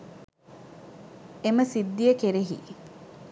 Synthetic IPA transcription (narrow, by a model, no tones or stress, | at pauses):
eməsid̪ːijəkeɾeɦḭ